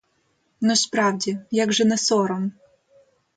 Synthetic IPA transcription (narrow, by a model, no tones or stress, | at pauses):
nɔsʲpɾawdʲijaɡʐɛnɛsɔɾɔm